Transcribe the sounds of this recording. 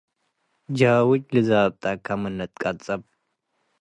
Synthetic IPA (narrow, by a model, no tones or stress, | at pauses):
d͡ʒawot͡ʃːlɨzab̚t̪ʼakʰamɨnːət̪ʼkʼat͡sʼəb